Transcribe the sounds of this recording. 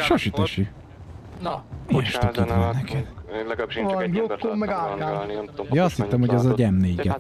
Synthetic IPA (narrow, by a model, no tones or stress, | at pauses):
ʃɒʃit̪ɛʃy | iʃt̪okid̪mɛnːɛkʰɛd̪̥ | vɒnɡokːomːɛɡalkaːnjɒɒst̪hit̪ːɛmhoɟɛzɒɟɛmneːɡɛ